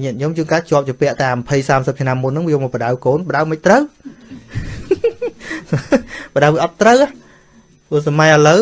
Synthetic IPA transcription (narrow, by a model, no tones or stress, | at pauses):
ɲiət̪̚ɲomt͡ɕɨːŋkaːt͡ɕŏəp̚t͡ɕopɛ̆əʔt̪amɑpʰəjsaːmsəp̚t͡ɕʰnamːunːɨŋʋiəjoːmɔːpə̆ɗawkoːnpə̆ɗawməc̚t̪rəw | pəɗawʋiəʔɑt̪ːrəwah | pɨəsamajələw